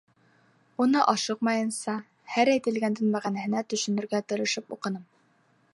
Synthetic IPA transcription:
unɤʔɒʃɤqmɑjɤ̆nsɑ | hæɾæjt̪ɘ̆lɡænd̪ɘ̆nmæʁænæhɘ̆næt̪ɵ̆ʃɵ̆nɵ̆ɾɡæt̪ŏɾɤ̆ʃɤpuqɤ̆nɤm

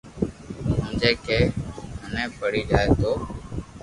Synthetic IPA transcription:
ɦʊ̃ːnd͡ʒeːkeːɦənẽːpəɽiːd͡ʒaːeːt̪oː

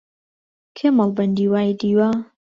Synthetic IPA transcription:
kʰemɐlˠbɐnd̪iːwaːjd̪iːwa

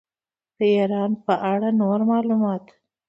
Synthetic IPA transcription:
d̪̥əeɾɑnpəʔaɽanoɾmɑlumɑt̪

